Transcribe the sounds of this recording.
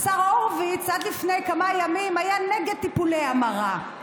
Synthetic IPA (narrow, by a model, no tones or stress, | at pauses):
saʁoʁvit͡sad̪lifne̞jkamajamimajaneɡed̪̚t̪ipulejamaʁa